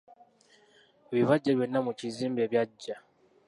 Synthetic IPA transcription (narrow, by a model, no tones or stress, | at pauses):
βiβaɟːaβjenːamuciziːmbeβjaɟːa